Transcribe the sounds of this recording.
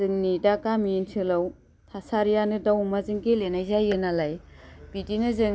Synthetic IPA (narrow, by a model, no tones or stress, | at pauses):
zɯŋnidakamintʰɯlaw | tʰasaɾijanɯdawmazɯŋkelenajzajɯnalajb̥idinɯzɯŋ